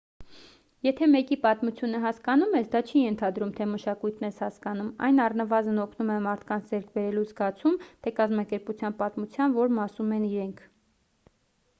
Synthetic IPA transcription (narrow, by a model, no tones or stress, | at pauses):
jɛt̪ʰɛmɛkipɑt̪mut͡sʰjunəɦɑskɑnumɛsd̪ɑt͡ʃʰijɛnt̪ʰɑd̪ɾumt̪ʰɛməʃɑkujt̪ʰnɛshɑskɑn̪umɑ̰jnɑrnəvɑzənɔkʰnumɛmɑɾt̪ʰkɑnt͡sʰd͡zɛɾk̚ʰbɛɾɛluzɡɑt͡sʰumt̪ʰɛkɑzmɑkɛɾput͡sʰjɑnpɑt̪mut͡sʰjɑnvɔɾmɑsumɛniɾɛŋkʰ